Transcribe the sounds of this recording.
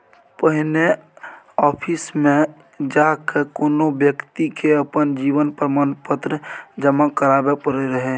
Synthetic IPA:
pəɦɪne | ɔːpʰismẽ | d͡ʒaːkekoːnobjəkt̪ikʰeəpənd͡ʒiːʋənpɾəmaːnpət̪ɾəd͡ʒəmakəɾaːbepəɾeɾəɦe

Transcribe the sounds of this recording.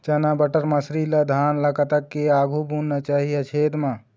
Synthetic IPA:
t͡ʃɐnabəʈəɾmɐsɾilɐd̪ʱaːnləkət̪ɐkːeaːɡʱubunnat͡ʃaːɦiɐt͡ʃʰeːd̪mã

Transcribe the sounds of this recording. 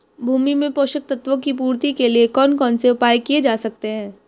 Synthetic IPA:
bʱuːmimẽpoːʃək̚t̪ɐt̪ʋõkip̬uːɾt̪ikeliekɔːnkɔːnseʊpaːjkied͡ʒaːsɐk̚t̪eɦɛ̃ː

